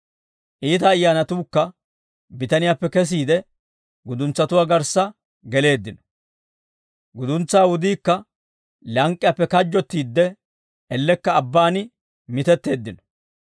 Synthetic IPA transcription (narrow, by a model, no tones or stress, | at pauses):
ʔiːt̪ɐːjːaːnɐt̪uːkːɐ | bɪt̪ɐnɪjaːpːɛkɛs̬iːd̪ɛ | ɡʊd̪ʊnt͡sːɐt̪ʊwaːɡɐɾsːɐ | ɡɛle̞ːd̪ːɪnɔ̥ | ɡʊd̪ʊnt͡sːaːwʊd̪iːkːɐ | lɐŋkʼːɪjapːɛkɐd͡ʒːɔt̪ːiːd̪ːɛ | ʔɛlːɛkːɐːbːaːnɪ | mɪt̪ɛt̪ːe̞ːd̪ːɪnɔ̥